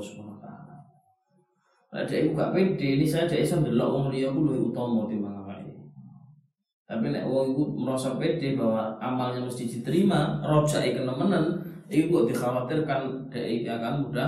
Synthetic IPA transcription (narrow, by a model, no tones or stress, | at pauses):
subanat̪a̰a̰la | la̰ʔd̥aʔikuɡa̰ʔped̥einisajad̥aʔisand̪əlɔ̰ʔwɔŋlijɔkulueut̪ɔmɔt̪imaŋaka̰ʔḭ | t̪apinɛ̰ʔwɔŋikuməɾɔsɔk̚ped̥ebawaamalɲaməst̪id̪̥it̪əɾimarɔ̥d͡ʒ̥aʔikənəmənənikuɡɔʔd̪̥ixawat̪ɪrkand̥aʔikakamud̥a